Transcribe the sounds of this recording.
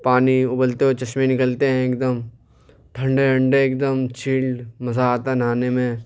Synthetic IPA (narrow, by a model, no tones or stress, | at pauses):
paːniʊbəlt̪eɦot͡ʃɐʃmẽnɪkəlt̪eɦɛ̃eːkd̪əm | ʈʰə̃ɳɖeʈʰə̃ɳɖeeːk̚d̪əmt͡ʃʰiːlmɐzaːt̪anaːnemẽ